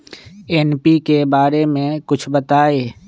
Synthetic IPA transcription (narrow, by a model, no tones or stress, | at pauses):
ɛnpikebaːɾemẽkʊt͡ʃʰbɐt̪aːeː